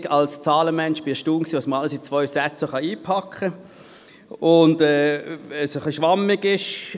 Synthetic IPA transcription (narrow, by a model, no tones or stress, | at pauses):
ɡɑlst͡sɑːləmɛnʃb̥ɪʃtuːnksiːʋɑsməɑləsit͡svɔʏsɛt͡səχɑiːpʰɑkχə | ʊndɛːɛsəχliʃʋɑmːɪɡɪʃ